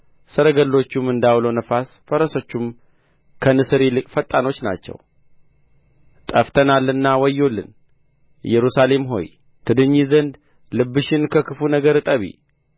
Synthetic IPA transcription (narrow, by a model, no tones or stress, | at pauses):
səɾəɡəlːo̞t͡ʃːumɨnd̪awlonəfas | fəɾəsot͡ʃːum | kʰənɨsɨɾilɨkʼfət̪ʼːano̞t͡ʃːna̰t͡ʃːɛ̰w | t̪ʼəft̪ʰənalːɨnːawɔjːo̞lːɨ̰n | jɛɾusale̞mɦo̞̰j | t̪ʰɨd̪ɨɲːizənd̪ | lɨbːɨʃɪnkʰəkʰɨfunəɡəɾɨt̪ʼəβḭ